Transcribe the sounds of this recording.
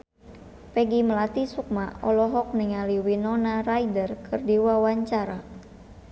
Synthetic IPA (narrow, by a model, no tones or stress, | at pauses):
pɛɡiməlat̪isuk̚maɔlɔɦɔk̚niŋaliwinɔnaraidərkʰɨrdiwawaɲt͡ʃaɾa